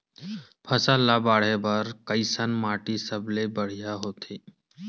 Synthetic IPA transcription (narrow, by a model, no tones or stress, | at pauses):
pʰəsalabaːɽ̤ebəɾkəɪsənmaːʈisəblebəɽ̤ijaɦoːt̪ʰeː